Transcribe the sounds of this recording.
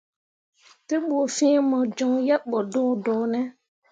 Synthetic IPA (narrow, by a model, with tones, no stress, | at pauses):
te˦ɓo˨fĩː˦mə˨d͡ʒɔ˨ŋja˦ɓɔ˨dõ˦dɔ˨nɛ˦